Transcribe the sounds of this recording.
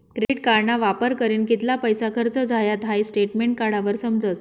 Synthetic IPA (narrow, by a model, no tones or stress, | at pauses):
kɾeʈkaɾɳaʋapəɾkəɾiːnkit̪lapəjsakʰəɾt͡səd͡zajat̪ɦajsʈeʈmeɳʈ̚kaɽaʋəɾsəmd͡zət͡s